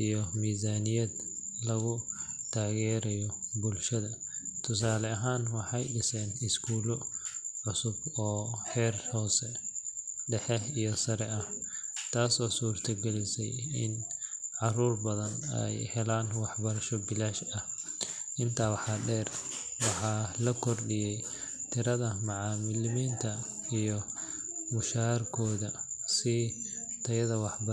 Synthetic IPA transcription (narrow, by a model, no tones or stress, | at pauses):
ʔijɔmiːzaːnɪjɐd̪lɐɣʊt̪ʰaːɣɛːɾɐjɔbʊlʃɐðɐ | t̪ʰʊsaːlɐɐɦaːnwɑħɑjɖɪsɛːnɪskʰuːlɔʕʊsʊbɔːħɛːrhɔːsɛ | ɖɛħɛijɔsɐɾɛɐht̪ʰaːsɔːsuːrt̪ʰɐɡɛlɪsɛ̰jɪ̰nʕɑruːrbɐðɐnɛ̰jhɛlaːnwɑħbɐɾɐʃɔbɪlaːʃɐhʔɪnt̪ʰaːwɑħɑɖɛːr | wɑħɑːlɐkʰɔrɗɪjɛj | t̪ʰɪɾɐðɐmɑʕɑːmɪlmiːnt̪ʰɐijɔ | mʊʃarkʰɔːðɐsɪt̪ʰɐjɐðɐwɑħb